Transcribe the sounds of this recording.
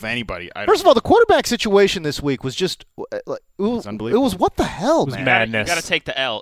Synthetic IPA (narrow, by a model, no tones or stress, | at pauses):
ʌvɛnibɑ̰ɾḭa̰ɪfɜ˞stʌvɔlˠðəkʰɔɾə˞bæksɪt͡ʃueɪʃɨ̃nðɪswikwʌzd͡ʒʌst̚laɪɪt̚wʌ̃nbliɪt̚wʌzwʌt̪̚ðəhɛlˠwʌzmædⁿnɨsɡɑɾɨtʰeɪk̚ðiʔɛlˠ